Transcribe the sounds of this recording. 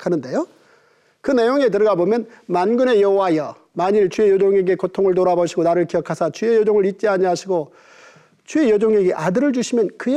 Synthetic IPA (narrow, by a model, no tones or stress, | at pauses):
kʰanɯnde̞jo | kɯne̞joŋe̞t̬ɯɾʌɡabomjʌnmanɡɯne̞jʌɦowajʌ | maɲiɭt͡ɕue̞jod͡ʑoŋe̞ɡe̞kotʰoŋɯɭtoɾaboɕʰiɡonaɾɯɭkijʌkʰasʰat͡ɕue̞jod͡ʑoŋɯɭɾit̚t͡ɕ͈iaɲiɦaɕʰiɡo | t͡ɕue̞jod͡ʑoŋe̞ɡe̞ʔadɯɾɯɭt͡ɕuɕʰimjʌnkɯe